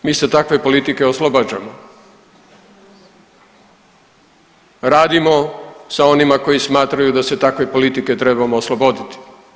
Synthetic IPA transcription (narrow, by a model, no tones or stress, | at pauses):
miːset̪akʋe̞po̞lit̪ike̞o̞slˠobad͡ʑamo | ɾaːd̪imo̞sao̞nimako̞jismaːt̪ɾajud̪ase̞t̪akʋe̞po̞lit̪ike̞t̪ɾebamoːslˠobo̞d̪it̪i̥